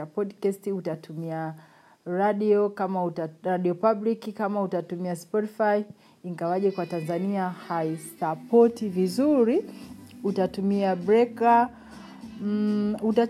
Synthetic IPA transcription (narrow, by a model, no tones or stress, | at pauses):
apɔdkastiutatumia | ɾaɗiɔkamauɾaɗiɔpablikikamautatumiaspɔtifai | iŋɡawaʄɛkwatanzaniahaisapɔtivizuɾiutatumiabɾɛka | uta